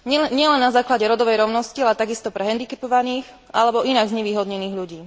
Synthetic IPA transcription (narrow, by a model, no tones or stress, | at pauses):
ɲɪɛlɛnːazaːklaɟɛɾɔd̪ɔʋɛjɾɔʊnɔscialɛt̪aɡist̪ɔpɾɛɦɛnd̪ikɛpɔʋaniːx | alɛbɔʔinaɡzɲɛʋiːɦɔd̪ɲɛniːɣʎuɟiː